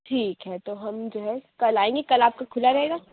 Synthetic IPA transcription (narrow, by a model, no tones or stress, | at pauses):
ʈʰiːkɦɛt̪oɦɐmd͡ʒoːɦɛkɐlaːẽːŋɡekɐlaːp̚kakʰʊlaɾɐɦeːɡaː